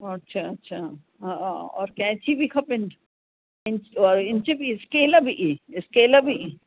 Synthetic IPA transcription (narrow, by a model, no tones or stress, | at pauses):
ɐtːʃʰaɐtːʃʰa | ɦaɔ̰ːɾkɛ̃ːt͡ʃʰibʱikʰɐpɪnɖ | ɪnt͡ʃɔːɾɪnt͡ʃibiskeːlɐbʱiʔɪskeːlɐbʱi